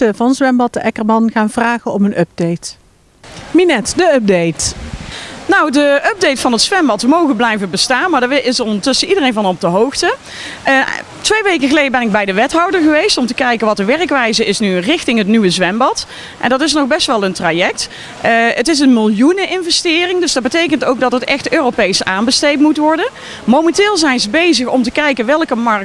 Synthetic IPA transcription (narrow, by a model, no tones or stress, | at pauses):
əvɑnzʋɛmbɑtdəʔɛkərmɑnχaːnv̥raːɣənɔmənʔœb̚dejt | minɛtdəœp̚dejt | nowdəʔœb̚dejtfɑnɦətsʋɛmbɑtʋəmowɣənblɛjvəbəstaːnmaːdəɪsɔndəɹtɵsənidərejnvɑnɔb̚dəɦowxtə | tʋejʋejkəɣəlejdəbɛnɪɡ̚bɛjdəʋɛtɦɑwdəɹɣəʋejstɔmtəkɛjkənʋɑtəʋɛrkʋɛjzəɪsnyrɪxtɪŋɦətnyʋəzʋɛmbɑt | ʔɛ̰ndɑtɪsnɔχbɛstʋɛlˠəntrajɛk̚t | ətɪs̬ənmɪlˠjunəʔɪnvɛstɪːrɪŋdɵsdɑd̚bətejkəntowk̚dɑtətɛxtøːropejsaːnbəstejtmutʋɔɹdən | mowmɛntɪːlˠzɛjnzəbejzəxɔmtəkɛjkənʋɛlˠkəmɑɹk̚